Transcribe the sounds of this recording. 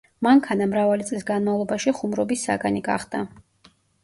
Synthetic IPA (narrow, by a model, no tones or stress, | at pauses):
maŋkʰanamɾavalit̪sʼlisɡanmavlˠɔbaʃiχumɾɔbisːa̰ɡaniɡa̰χd̪a